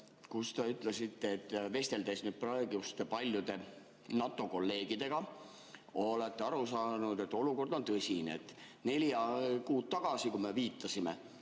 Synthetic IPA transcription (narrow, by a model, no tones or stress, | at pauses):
kust̪eyt̪ːˑle̞sit̪ːeːt̪ːˑve̞st̪e̞ld̪e̞snyːd̪̚proe̞ɡ̥ust̪epɑlʲjud̪e̞ | nɑt̪ˑːo̞ko̞lːe̞ːɡ̥id̪̥e̞ɡ̥ɑ | o̞let̪ːeɑɾusɑːnud̪e̞t̪ːˑo̞luko̞rd̪o̞nt̪ɤsʲineet̪ːˑ | ne̞ljɑkuːt̪̚t̪ːɑɡ̥ɑsikume̞viːt̪ːˑɑsime̞̰